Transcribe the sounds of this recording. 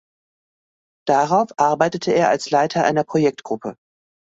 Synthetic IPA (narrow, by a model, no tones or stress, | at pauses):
d̥aʁaʊfʔaɐbaɪtətʰəeːɐalslaɪtʰɐʔa̰ɪnɐpʁ̥ojɛk̚tɡ̥ʁʊpʰə